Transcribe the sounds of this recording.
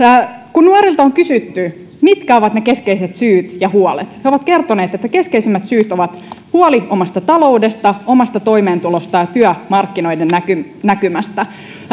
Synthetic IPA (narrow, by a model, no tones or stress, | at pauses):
kunnuɑɾilt̪ɑoŋkysyt̪ːy | mit̪kæo̞ʋɑt̪neke̞skeiset̪syːt̪jɑhuolet̪heo̞ʋɑt̪ke̞rt̪one̞ːt̪et̪ːæke̞skeisimːæt̪syːt̪oʋɑt̪huoliʔo̞mɑst̪ɑt̪ɑlo̞ude̞st̪ɑo̞mɑst̪ɑt̪o̞imeːnt̪ulost̪ɑjɑt̪yœmɑrkːino̞jdenːækynækymæst̪æ